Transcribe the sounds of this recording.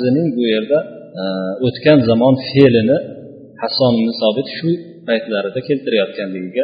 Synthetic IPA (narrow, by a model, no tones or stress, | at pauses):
zɪnɪŋbʊje̞ɾd̪a | ot̪kʲanzamɒnfelɪnɪ | hasɒnɪmnɪsɒbɪt̪ʃʊ | pʰajt̪laɾɪd̪akʲʰe̞lt̪ʰɪɾajɒt̪̚kʲanlɪɡʲɪɡʲa